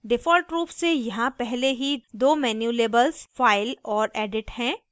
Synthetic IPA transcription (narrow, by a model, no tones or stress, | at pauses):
ɖɪfɔːlʈɾuːpsejɐɦãpɛɦleɦid̪oːmɛːnjuleːbəlzfaːɪlɔːɾɛːɖɪʈhɛ̃ː